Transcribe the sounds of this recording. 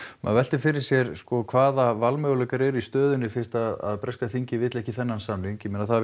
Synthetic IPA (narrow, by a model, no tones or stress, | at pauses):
ma̰ðvɛl̥t̪ɪfɪɾɪɾ̥sjɛɾskɔkʰvaːðavalmœːɣlɛːkaɾɛɾist̪œːðʏnːɪfɪn̥st̪aða̰ðpɾɛskaθiɲcɪvɪt̪lɛhcɪθɛnːansamliŋkjɛmɛːnaθa